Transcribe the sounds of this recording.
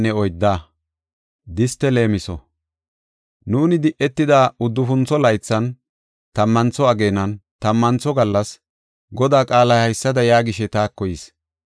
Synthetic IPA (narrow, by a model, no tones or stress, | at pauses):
nːɛɔjd̪ːaː | d̪ɪst̪ːɛle̞ːmɪsɔ̰ | nuːnɪd̪ɪʔːɛt̪ːɪd̪aːʊd̪ːʊfʊnt͡sːɔlɐjt͡sːɐn | t̪ɐmːɐnt͡sɔɐɡe̞ːnɐnt̪ɐmːɐnt͡sːɔɡɐlːɐs | ɡɔd̪aːkʼaːlɐhɐjsːɐd̪ɐjaːɡɪʃɛt̪aːkːɔjis